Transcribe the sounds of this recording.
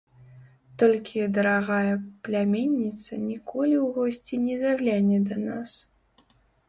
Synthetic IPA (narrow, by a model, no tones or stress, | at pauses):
t̪ɔlʲkʲʰid̪ɐɾaɣajɛplʲamʲenʲːit̪sɐnʲikʰɔlʲiwɣɔsʲt͡sʲinʲɛzaɣlʲanʲɛd̪ɐnas